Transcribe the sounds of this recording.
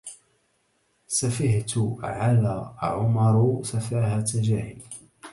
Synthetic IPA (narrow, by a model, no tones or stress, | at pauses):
safɪht̪ʊʕalaʕʊmɑɾˤsafaːhat̪ad͡ʒaːhɪl